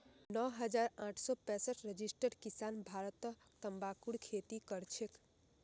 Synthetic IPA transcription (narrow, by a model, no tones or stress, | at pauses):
nɔɦəd͡ʒaːɾãːʈʰsɔpɛ̃səʈʰɾəd͡ʒisʈəɽkisaːnbʱaːɾət̪ət̪əmbaːkuɽkʰet̪ikəɾt͡ʃʰek